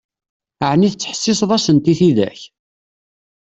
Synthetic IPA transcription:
əʕniθət͡sːħə̥sːɪsˤðˤɑsənt̪iθiðæ̰ç

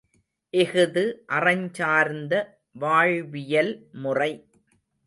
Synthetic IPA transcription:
ʔɪɣɯðɯʔɐrɐɲt͡ʃaːɾnd̪ɐ | ʋaːɻʋɪjɐlmʊrɐɪ

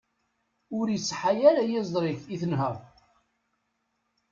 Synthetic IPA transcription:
ʊɾjəsːħajæɾæjɪzˤɾɪçiθənɦəʁ

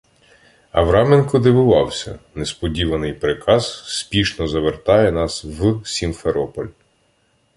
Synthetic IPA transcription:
ɐ̰ʋɾɑmenkɔd̪ɪʋʊʋɑwsʲɐ̰nespɔdʲiʋɐnɪjpɾekʰɑz̥spʲiʃnɔzɐʋert̪ɑjɛnɑswsʲinfeɾɔpɔlʲ

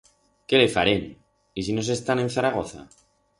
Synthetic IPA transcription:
kelefa̰ɾen | is̬ino̞s̬e̞st̪ane̞n̟θaɾaɣ̞o̞θa̰

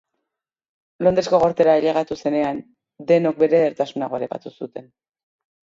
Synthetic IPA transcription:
lo̞nd̪ɾesko̞ɣo̞ɾt̪e̞ɾaeʎeɣat̪use̞ne̞an | d̪e̞nok̚be̞ɾe̞ðeɾt̪asunaɣo̞eɾepa̰t̪usut̪e̞n

